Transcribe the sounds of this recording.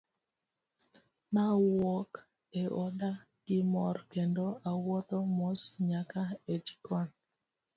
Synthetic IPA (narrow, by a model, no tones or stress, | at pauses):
mawɔk | eʔɔda | ɡ̥ɪmɔrkendoawɔt̪ɔmosɲakaed͡ʒkɔn